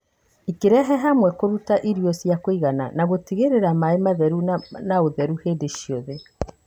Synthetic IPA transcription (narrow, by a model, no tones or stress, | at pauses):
ikeɾɛɦɛɦamwɛkoɾutaʔiɾiɔsjakoiɣana̰naɣotiɣeɾeɾamaemaðɛɾunaoðɛɾuheːdeʃiɔðɛ